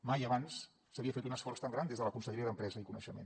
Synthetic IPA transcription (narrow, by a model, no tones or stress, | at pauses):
majəβansː | əβiəfet̪unəsfɔrst̪aŋɡɾand̪ezðələkunsəʎɾiəðəmpɾɛzəikunə̰ʃəmḛn